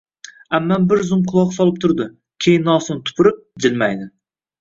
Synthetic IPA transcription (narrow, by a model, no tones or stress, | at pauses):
æmːɛnbɪɾzʊmqʰʊlˠɑqsɒlˠɪp̚t̪ʰʊɾd̪ɪ | kʲʰejɪnːɒsɨnt̪ʰʊ̥pʰʊɾɪp̚d͡ʒɪlmæjd̪ɪ